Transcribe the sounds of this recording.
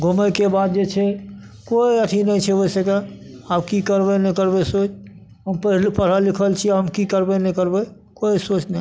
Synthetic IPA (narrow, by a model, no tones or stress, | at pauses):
ɡʱuməjkebad̪̚d͡ʒet͡ʃʰɛ | koiəʈʰinɛjt͡ʃʰɛoseka | abkikəɾbɛnɛkəɾbesot͡ʃ | ɦəmpəlpəɽ̤əlikʰəlt͡ʃʰiaɦəmkikəɾbɛnɛkəɾbə | koisot͡ʃnɛ